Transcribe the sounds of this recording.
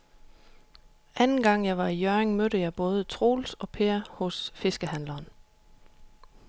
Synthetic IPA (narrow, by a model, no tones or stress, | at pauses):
ʔænn̩ɡ̥ɑ̈ŋ̰jɑ̈ɪʋɑ̈ijøɐʁeŋmøɾəjɑ̈ɪb̥ɔ̽ːð̞ˠət͡sʰʁo̝̰ːlsɒ̽pʰe̝ːɐhɔ̽sfe̝sɡ̥əɦænlɐːn